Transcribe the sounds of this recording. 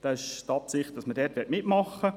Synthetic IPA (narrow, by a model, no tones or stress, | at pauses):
d̥ɑɪʃtɑːpsɪχd̥ɑsmədɛːtʋɪtmɪtmɑχːə